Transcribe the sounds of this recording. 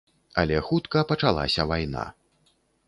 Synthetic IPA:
ɐlʲɛxut̪kɐpɐt͡ʂalˠa̰sʲɐvajna̰

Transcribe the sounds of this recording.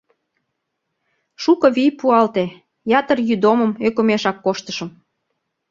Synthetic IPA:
ʃukɤ̆βijpuɑlt̪e | jɑt̪ərjyd̪oməmøkomeʃɑkːoʃt̪əʃə̆m

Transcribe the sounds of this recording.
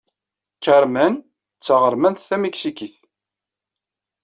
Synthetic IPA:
kæɾmæn | t͡sːəʁəɾˤmænθθæmiksikiθ

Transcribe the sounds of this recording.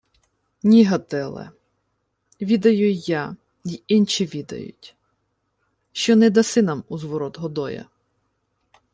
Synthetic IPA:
nʲiɦɐt̪ɛlˠɛ̰ | ʋʲid̪ɐjʊja | jiint͡ʃiʋʲid̪ɐ̰jʊ̰tʲ | ʃt͡ʃɔnɛd̪ɐsɪnɐmuzʋɔɾɔt̪ɦɔd̪ɔjɐ̰

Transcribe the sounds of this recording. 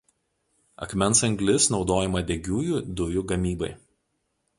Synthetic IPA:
ɐ̰kmʲɛnˑsɐŋʲɡlʲɪsnɒʊd̪oːjɛmɐd̪ʲɛɡʲuːjuːd̪ʊjuˑɡɐmʲiːbɐɪ

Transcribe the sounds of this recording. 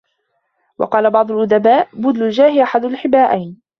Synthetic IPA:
wɑ̰qɑːlabɑʕd̪ˤʊlʔʊd̪abaːʔbʊd̪lʊld͡ʒaːhɪʔaħad̪ʊlħɪbaːʔajn

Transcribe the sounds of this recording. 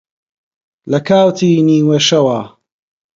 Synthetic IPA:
lɐkʰaːwt̪ʰiːniːweʃɐwaː

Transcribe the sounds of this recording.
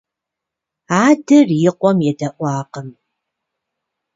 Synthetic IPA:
aːdɨrjɪqʷɔmjɛdɐʔʷɑːqəm

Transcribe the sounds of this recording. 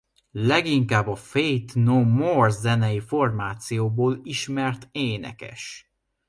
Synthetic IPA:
lɛɡiŋkaːbːɒfejt̪nomorzɛnɛjifo̞rmaːt̪sijoːboːliʃmɛrt̪eːnɛ̰kɛ̰ʃ

